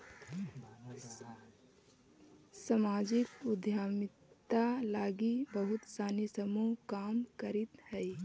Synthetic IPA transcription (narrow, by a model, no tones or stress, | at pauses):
səmaːd͡ʒɪkʊd̪jaːmɪt̪alaːɡibəɦʊt̪saːnisəmuɦkaːmkəɾɪt̪hɛː